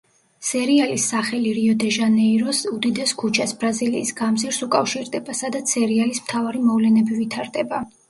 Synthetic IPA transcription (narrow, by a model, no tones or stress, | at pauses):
sɛɾialisːaχɛliɾiɔd̪ɛʒanɛiɾɔsud̪id̪ɛskʰut͡ʃʰasbɾaziliːsɡamziɾsukʼafʃiɾd̪ɛbasad̪at̪ssɛɾialismt̪ʰavaɾimɔvlɛnɛbivit̪ʰaɾd̪ɛba